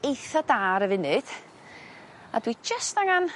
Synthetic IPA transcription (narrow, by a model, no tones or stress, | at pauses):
ejθɔdaːɾəvɪnɨd̥ | adwid͡ʒəstaŋan